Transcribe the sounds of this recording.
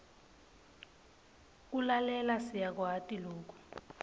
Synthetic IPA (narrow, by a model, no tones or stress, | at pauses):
kulalɛlasijak̬watʼiloːk̬u̥